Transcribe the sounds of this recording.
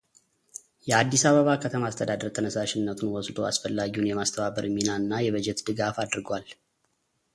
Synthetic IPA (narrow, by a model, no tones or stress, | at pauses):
jɛad̪ːisaβəβakʰət̪ʰəmaːst̪ʰəd̪ad̪əɾt̪ʰənəsaʃɪnːət̪ʰunwɔsd̪oa̰sfəlːaɡiunjɛmast̪ʰəβaβəɾɨminaɨnːajɛβəd͡ʒɛt̪d̪ɨɡafad̪ɨɾɡwal